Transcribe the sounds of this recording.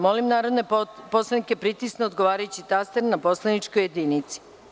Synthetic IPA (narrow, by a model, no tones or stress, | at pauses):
mo̞limnaːɾo̞d̪neposlanike̞pɾit̪isneod̪ɡo̞ʋaːɾajut͡ɕit̪ast̪eɾnapo̞slenit͡ʃkojed̪iːnit̪si̥